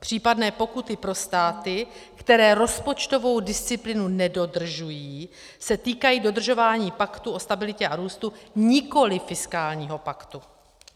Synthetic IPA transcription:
pr̝̥iːpadnɛːpo̞kut̪ɪpɾo̞st̪aːt̪ɪkt̪ɛɾɛːɾo̞spo̞t͡ʃt̪o̞vo̞wdɪst͡sɪplɪnunɛdo̞d̪r̩ʒujiː | sɛt̪iːkajiːdo̞d̪r̩ʒo̞vaːɲiːpakt̪uʔo̞st̪abɪlɪcɛaɾuːst̪uɲɪko̞lɪfɪskaːlɲiːɦo̞pakt̪u

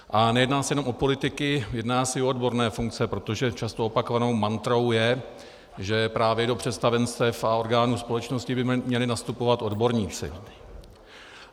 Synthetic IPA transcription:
ʔanɛjɛdnaːsɛjɛno̞mo̞po̞lɪt̪ɪkɪjɛdnaːsɛoodbo̞ɾnɛːfuŋk̚t͡sɛpɾo̞t̪o̞ʒɛt͡ʃast̪oopakovano̞wmant̪ɾo̞wjɛ | ʒɛpɾaːvjɛdo̞pr̝̥ɛst̪avɛnst̪ɛfao̞ɾɡaːnuːspo̞lɛt͡ʃno̞scɪbɪmɲɛlɪnast̪upo̞vat̪o̞dbo̞ɾɲiːt͡sɪ̰

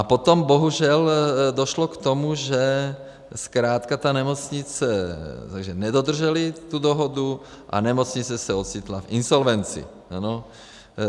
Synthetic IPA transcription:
apot̪ɔmboɦuʒɛld̪ɔʃlɔkt̪ɔmuʒɛ | skɾaːt̪kat̪anɛmɔt͡sɲit͡sɛt̪aɡʒɛnɛd̪od̪r̩ʒɛlit̪ud̪ɔɦɔd̪u | ʔa̰nɛmɔt͡sɲit͡sɛsɛot̪sit̪lafinsɔlʋɛnt͡sḭ | ano

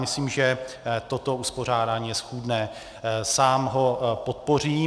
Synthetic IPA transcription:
mɪsliːmʒɛt̪o̞t̪o̞uspo̞r̝aːdaːɲiːjɛsxuːdnɛː | saːmɦo̞po̞t̪̚po̞r̝iː

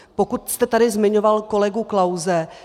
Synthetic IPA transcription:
po̞kut̪st̪ɛt̪adɪzmɪɲo̞valko̞lɛɡuklawzɛ

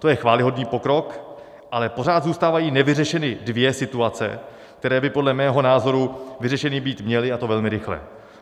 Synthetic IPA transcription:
t̪o̞jɛxvaːlɪɦo̞dniːpo̞kɾo̞k | ʔalɛpo̞ɾ̝aːt̪zuːst̪aːvajiːnɛvɪrɛʃɛnɪdvjɛsɪt̪uat͡sɛ̰ | k̚t̪ɛɾɛːbɪpodlɛmɛːɦo̞naːzo̞ɾuvɪrɛʃɛnɪbiːt̪mɲɛlɪat̪o̞vɛlmɪɾɪxlɛ̰

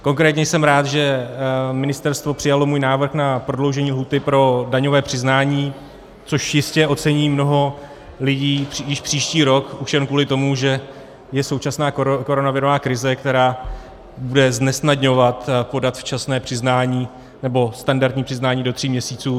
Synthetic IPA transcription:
ko̞ŋkɾɛːt̪ɲɛjsɛmɾaːt̪ʒɛ | mɪnɪst̪ɛɾst̪vo̞pr̥ɪjalo̞muːjnaːvr̩xnapɾodlo̞wʒɛɲiːlɦuːt̪ɪpɾo̞daɲo̞vɛːpr̝̥ɪznaːɲiː | t͡so̞ʃjɪscɛʔo̞t͡sɛɲiːmno̞ɦo̞ | lɪɟiːjɪʃpr̝̥iːʃciːɾo̞kuʃjɛnkvuːlɪt̪o̞muʒɛ | jɛsowt͡ʃasnaːko̞ɾo̞navɪɾovaːkɾɪzɛkt̪ɛɾaː | budɛznɛsnadɲo̞vat̪po̞dat̪ft͡ʃasnɛːpr̝̥ɪznaːɲiː | nɛbo̞st̪andaɾt̪ɲiːpr̥ɪznaːɲiːdo̞t̪r̝̥iːmɲɛsiːt͡suː

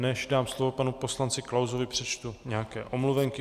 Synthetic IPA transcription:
nɛʃdaːmslovo̞panupo̞slant͡sɪklawzo̞vɪpr̥ɛt͡ʃt̪uɲɛakɛːʔo̞mluvɛŋkɪ

